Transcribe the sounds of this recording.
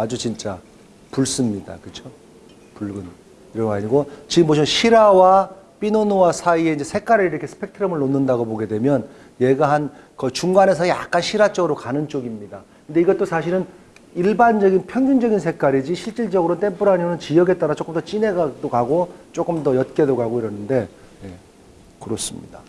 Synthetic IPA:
ad͡ʑut͡ɕint͡ɕ͈a | puɭs͈ɯmɲida̰kɯt͡ɕʰo | puɭɡɯn | iɾʌŋɡaɲiɡot͡ɕiɯmːoɕʰiʌɕʰiɾawa | p͈inonowasʰaie̞ind͡ʑesʰek͈aɾɯɾiɾʌkʰe̞sʰɯ̥pʰe̞k̚tʰɯɾʌmɯɭːonːɯndaɡopoɡe̞dwe̞mjʌn | je̞ɡaɦan | kʌt͡ɕuŋɡanesʰaia̰k͈anɕʰiɾat͡ɕ͈ʌɡɯɾokanɯnt͡ɕ͈oɡimɲidakɯnde̞iɡʌt͈osʰaɕʰiɾɯn | iɭband͡ʑʌɡinpʰjʌŋd͡ʑuŋd͡ʑʌɡinsʰe̞k͈aɾid͡ʑiɕʰiɭt͡ɕ͈iɭt͡ɕʌɡɯɾont͈e̞mpʰuɾaɲionɯnt͡ɕijʌɡe̞t͈̚aɾat͡ɕ͈ok͈ɯmd̥͈ʌt͡ɕ͈ine̞ɡad̥okaɡot͡ɕ͈ok͈ɯmdʌjʌt̚k͈e̞dokaɡoiɾʌnɯnde̞ | je̞ | kɯɾos͈ɯmɲḭda

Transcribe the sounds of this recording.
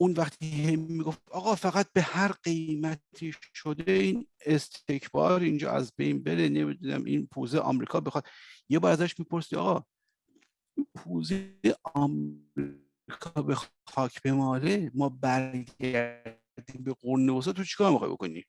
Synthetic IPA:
unvæχt̪ʰihemiːɡofɒːɣɒːfæɣæt̪̚behæɾɢe̞jmæt̪ʰiːʃod̪e̞iːnest̪e̞cʰbɒ̰ːɾind͡ʒɒ̰ːʔæ̰zbe̞̰jnbe̞ɾenemid̪unæ̰mʔḭnpʰuzeʔɒ̰mɾiːkʰɒːbexɒːd̪̥̚jebɒːɾæzæʃmiːpo̞ɾsid̪ɒ̰ːɣɒː | inpʰuːzejeeɒmɾi | kʰɒːbex | xɒːcʰb̥e̞mɒːɾemɒːbæɾɡæ | ɾd̪iːmbe̞ɡoɾnːebos̬ɑːt̪ʰot͡ʃʰi̥kɒːɾmixɒ̰jbokonḭ

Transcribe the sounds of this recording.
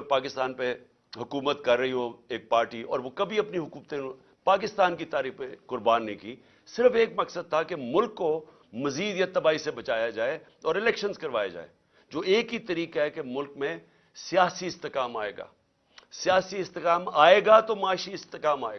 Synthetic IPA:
ɾpaːkɪst̪aːnpe | ɦʊkuːmət̪kɐɾːɐɦiɦoeːk̚paːɾʈiɔːɾʋokɐbʱiɐpniɦʊkuːmt̪ẽ | paːk̬ɪst̪aːnkit̪aːɾiːfekʊɾbaːnːikiː | sɪɾəfeːkmɐksəd̪̚t̪ʰakemʊlkːo | mɐziːd̪jɐt̪ːɐbaːisebɐt͡ʃaːjad͡ʒaːe | ɔːɾɪlɛːkʃənzkɐɾʋaːjad͡ʒa̰ːḛː | d͡ʒoːeːkit̪ɐɾiːkaɦɛkemʊlkmẽ | sijaːsiɪst̪ɪkaːmaːḛːɡa̰ː | sijaːsiɪst̪ɪkaːmaːeːɡat̪omaːʃiɪst̪ɪkaːmaːḛɡ

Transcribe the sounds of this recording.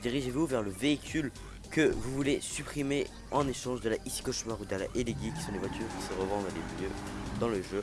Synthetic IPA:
d̪iʁiʒevuvɛʁləveikʲyl | kəvuvulesypχime | ɑ̃neʃɑ̃ʃd̪əlaʔisi̥kɔʃmaʁud̪əlaʔeleɡikʲi̥sɔ̃levwat̪ʰyːʁkʲi̥səʁəvɑ̃d̪ʁəlemjød̪ɑ̃ləʒø

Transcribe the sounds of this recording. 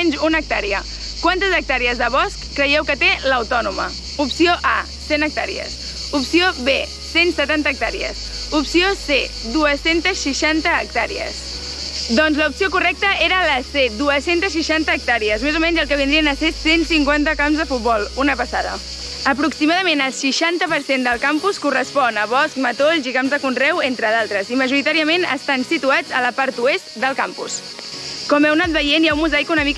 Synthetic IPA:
ɛnzunək̚t̪aɾiə | kwant̪əzək̚t̪aɾiəzðəβɔskːɾəjɛwkət̪eləwt̪ɔnumə̰ | upsioʔa̰ | senək̚t̪a̰ɾḭə̰s | upsioβe | sensət̪ant̪ək̚t̪aɾḭə̰s | upsioseduəsent̪əsʃiʃant̪əːk̚t̪aɾḭə̰s | d̪ɔnzləupsiokurɛk̚t̪əeɾələsed̪uəsent̪əsʃ̬iʃant̪əːk̚t̪aɾiəzmezumɛɲd͡ʒzəlˠkəβ̞ind̪ɾiənəsesensiŋkwant̪əkamzðəfut̪̚bɔlˠunəpəsaðə̰ | əpɾuksimaðəmenəlˠsiʃant̪əpəɾsend̪əlˠkampuskurəspɔnəβɔsk̚mət̪oʎzikamzðəkunrɛwent̪ɾəð̞alˠt̪ɾəziməʒuɾit̪aɾiəmenə̰st̪ansit̪uad͡zələpaɾt̪uest̪d̪əlˠkampṵs | kɔmɛwnat̪̚bəjenjawmːuzajkunəmik

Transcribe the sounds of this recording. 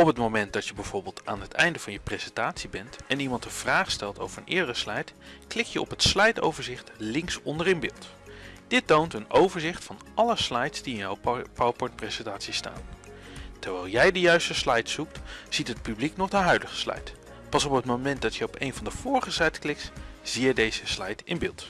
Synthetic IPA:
ɔpətmowmɛnt̚dɑtjəbɛv̥ʊːɹbɪːlˠta̰ːnɦətɛjndəvɑnjəprez̥ɛntaːtsibɛntɛnimɑntəv̥raːχstɛlˠto̰wvəɹənʔɪːɹdərəslɛjtklɪk̚jəɔ̰pɦətslɛjto̰wvəɹzɪχtlɪŋsɔndərɪmbɪːlˠt | d̥ɪtowntənowvəɹzɪχtfɑnɑləslɑjtsd̥iɪnjawpawpɔɹt̚prezɛntaːtsista̰ːn | təɹʋɛːlˠjɛjdəjœɥstəslɑjtsuk̚tz̥itɦət̚pybliknɔχdəɦœɥdəχə̥slɑ̰jt | pɑsɔpɦətmomɛnt̚dɑtjəɔpejnvɑndəv̥ʊːɹəχəsɛjtklɪktz̥ijədejz̥əslɑjtɪnbɪːlˠt

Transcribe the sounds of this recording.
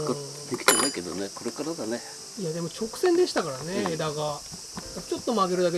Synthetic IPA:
d̪ekʲi̥t̪enaike̞d̪oneko̞ɾe̞kaɾad̪ane | ijad̪e̞mo̞t͡ɕo̞kɯ̟̥sẽ̞nd̪e̞ɕi̥t̪akaɾane̞d̪aɡa | t͡ɕo̞t̪ːo̞maɡe̞ɾɯ̟d̪ake

